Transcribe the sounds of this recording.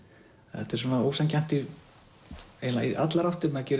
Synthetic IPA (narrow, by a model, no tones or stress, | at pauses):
ɛht̪ʏɾ̥sɛmvaðoːwsɛncan̥t̪i | eːlaiʔat̪laɾawht̪ʏɾmɛðacɛːɾ